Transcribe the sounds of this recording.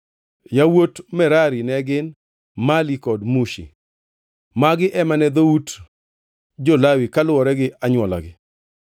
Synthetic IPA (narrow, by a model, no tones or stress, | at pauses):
jawotmɛɾaɾinɛɡɪn | malikɔdmuʃḭ | maɡɪʔɛmanɛd̪out | d͡ʒolawikalʊɔɾɛɡɪʔaɲwɔla̰ɡɪ